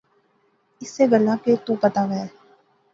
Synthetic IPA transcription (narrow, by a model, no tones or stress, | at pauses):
ɪsːeɡɐlaket̪ũpɐt̪aɡɐeː